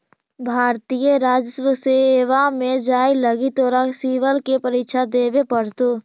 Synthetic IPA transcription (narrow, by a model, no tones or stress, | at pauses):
bʱaːɾt̪ijəɾaːd͡ʒəswəseeʋamed͡ʒaːiləɡit̪oːɾasiʋəlkepəɾikʃʰad̪eːbepəɽt̪o